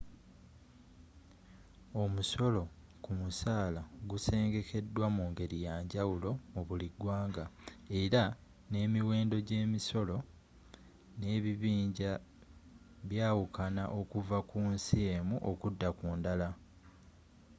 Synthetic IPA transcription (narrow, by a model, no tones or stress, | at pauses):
o̞muso̞lo̞ | kumusaːlaɡuse̞ːŋɡe̞kʰe̞dːwamuːŋɡe̞ɾijaːɲɟawulo̞muβuliɡwaːŋɡae̞ɾa | ne̞ːmiwe̞ːndo̞ɟe̞ːmiso̞lo̞ | ne̞ːβiβiːɲɟa | βjaːwukʰanaʔo̞kuvakuːnsieːmuʔokudːakuːndala